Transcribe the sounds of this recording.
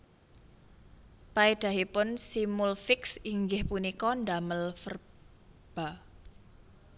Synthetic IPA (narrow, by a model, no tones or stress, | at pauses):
paid̪̥ä̤ɦipʊnsimulfɪksiŋɡɪhpunikɔndaməlfər | b̥a